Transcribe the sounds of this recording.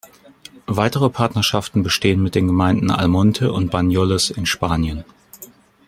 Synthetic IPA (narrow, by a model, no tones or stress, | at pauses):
vaɪtəʁ̞əpʰaɐtnɐʃaftn̩bəʃteːənmɪt̚d̥eːnɡəmaɪndn̩a̰lmɔntʰəʔʊnt̚b̥anjɔləsɪnʃpaːnjən